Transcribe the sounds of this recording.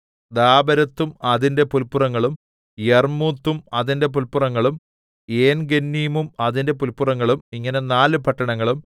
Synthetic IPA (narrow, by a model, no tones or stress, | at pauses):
d̪aːbɐɾɐt̪ːumɐðinde̞pulpːurɐŋːɐɭum | jermut̪ːumɐðinde̞p̬ulpːurɐŋːɐɭum | eːnɡenːijmumɐðinde̞p̬ulpːurɐŋːɐɭumiŋːɐne̞naːlɨpɐʈːɐɳɐŋːɐɭum